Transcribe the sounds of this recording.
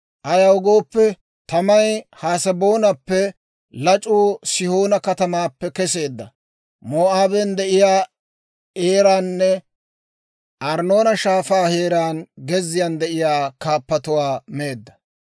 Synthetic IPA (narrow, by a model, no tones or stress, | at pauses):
ʔɐjɐwɡo̞ːpːɛ | t̪ɐmɐjhaːsɐbo̞ːnɐpːɛ | lɐt͡ʃʼuːsɪhoːnɐkɐt̪ɐmaːpːɛkɛse̞ːd̪ːɐ | moːaːbɛnd̪ɛʔɪjaː | eːɾaːnːɛ | ʔɐɾno̞ːnɐʃaːfaːhe̞ːɾaːnɡɛzːɪjand̪ɛʔɪjaːkaːpːɐt̪ʊwaːme̞ːd̪ːɐ